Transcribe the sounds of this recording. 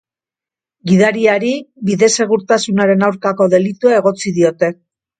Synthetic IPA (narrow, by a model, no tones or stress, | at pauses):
ɡiðaɾiaɾibiðe̞se̞ɣ̞uɾt̪asunaɾe̞nawɾkako̞ðe̞lit̪uae̞ɣo̞t͡siðio̞t̪e̞